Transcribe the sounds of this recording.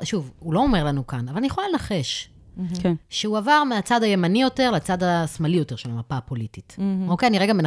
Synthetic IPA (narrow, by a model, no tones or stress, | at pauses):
ʃuvulo̞ome̞ʁlanukanavalanijeχolalenaχeʃ | kʃeuavaʁmeat͡sadaje̞manijo̞te̞ʁleat͡sad̪asmalijo̞te̞ʁʃe̞lamapaːpo̞litito̞keaniʁeɡame̞n